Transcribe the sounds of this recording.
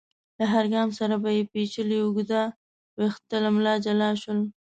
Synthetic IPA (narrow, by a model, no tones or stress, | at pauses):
laɦaɾɡɑmsaɾabajepet͡ʃəliʊɡd̪a | wext̪əlamlɑd͡ʒalɑʃəl